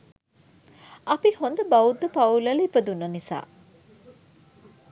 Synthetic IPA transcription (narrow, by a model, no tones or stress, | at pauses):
ɐpihond̪əbɐud̪ːəpɐulɐlipəd̪unːɐnisa̰ː